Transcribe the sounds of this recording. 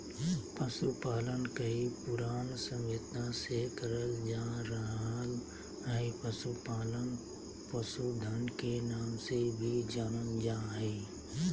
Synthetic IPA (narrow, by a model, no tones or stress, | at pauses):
pəsupaːlənkəɦipʊɾaːnsə̃met̪ãsekəɾəld͡ʒaːɾəɦal | ɦəipəsupaːlən | pəsud̪ʱənkenaːmsebʱid͡ʒaːnənd͡ʒaːɦɛ